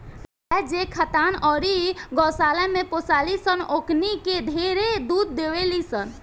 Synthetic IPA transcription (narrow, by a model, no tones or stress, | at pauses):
ɛd͡ʒekʰət̪anɔːɾiɡɔːsalɛmẽposalisənokniked̪ʱeɾed̪ud̪̚ːeʋelisən